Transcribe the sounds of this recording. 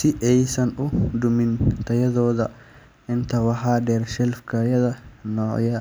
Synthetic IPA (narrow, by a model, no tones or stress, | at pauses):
sɪʔɛjsɐnʊd̪ʊmɪnt̪ʰɐjɐðɔːðɐ | ʔɪnt̪ʰɐwɑħaːd̪ɛːrʃɛlfkʰɐjɐðɐnɔːʕjɐ